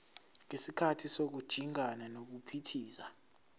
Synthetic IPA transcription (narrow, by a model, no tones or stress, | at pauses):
ŋesikʰatʰisok̬ud̥ʒ̥ʱiŋʱananok̬upʰitʰiːsa